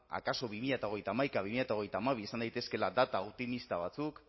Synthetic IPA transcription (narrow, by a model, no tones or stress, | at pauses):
a̰kaso̞βimiʎat̪ao̞ɣejt̪aːmajkaβimiʎat̪ao̞ɣ̞e̞jt̪aːmaβ̞iesand̪ajt̪e̞ske̞lad̪at̪aop̚t̪imist̪aβat͡suk